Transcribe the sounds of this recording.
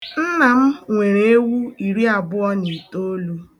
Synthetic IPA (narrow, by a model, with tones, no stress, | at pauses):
n̩˦na˨m̩˦ŋʷe˨ɾe˨e˦wu˦i˨ɾi˦a˨bʊ˦ɔ˦ɲi˨i˨to˦o˦lu˦